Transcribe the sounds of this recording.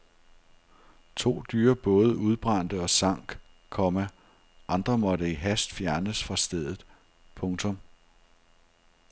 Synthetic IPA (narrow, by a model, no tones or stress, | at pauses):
t͡sʰo̝̰ːd̥yːɐb̥ɔ̽ːð̞ˠəuð̞ˠb̥ʁɑn̰d̥əɒ̽sɑ̈ŋ̰ɡ̥ | kʰɒ̽mæ | ʔɑ̈nd̥ʁɐmɒ̽ɾəiɦæsd̥fjæɐnəsfʁɑ̈sd̥eð̞̰ˠð̩ˠ | pʰɔ̽ŋt͡sʰɔ̽m